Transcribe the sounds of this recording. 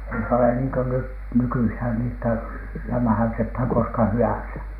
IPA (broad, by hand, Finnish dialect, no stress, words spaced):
ei se ole niːŋ ko nyt nykyihæn ni etːæ læmæ̆hæytethæn koskɑ hyænsæ